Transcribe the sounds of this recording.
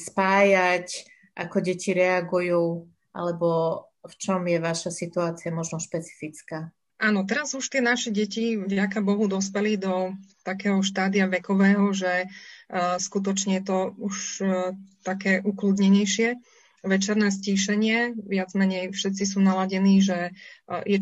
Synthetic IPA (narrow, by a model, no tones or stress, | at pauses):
spaːjac | ʔakɔɟɛciɾɛaɡujuː | ʔa̰lɛbɔ | ft͡ʃɔmjɛʋaʃasit̪uaːt͡siamɔʒnɔʃpɛt͡si̥fit͡skaː | ʔaːnɔt̪ɛɾazuʃt̪ɪɛnaʃɛɟɛcivɟakabɔɦud̪ɔspɛlid̪ɔt̪akɛːɦɔʃt̪aːd̪ijaʋɛkɔʋɛːɦɔʒɛ | skut̪̬ɔt͡ʃɲɛjɛt̪ɔuʃ | t̪akɛːʔukluːd̪ɲɛɲɛjʃɪɛ | ʋɛt͡ʃɛɾnɛːsciːʃɛɲɪɛʋɪad͡zmɛɲɛjfʃɛt̪̚t͡sis̬uːnalaɟɛniːʒɛjɛ